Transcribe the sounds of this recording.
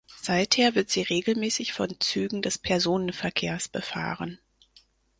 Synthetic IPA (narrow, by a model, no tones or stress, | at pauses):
z̥aɪtheːɐvɪɐtz̥iːʁeːɡl̩mɛːsɪçfɔ̰nt͡syːɡŋ̩dɛspʰɛɐzoːnənfɛɐkʰḛːɐsb̥əfa̰ːʁən